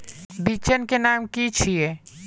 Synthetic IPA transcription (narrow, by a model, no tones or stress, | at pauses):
bit͡ʃənkenaːmkit͡ʃʰie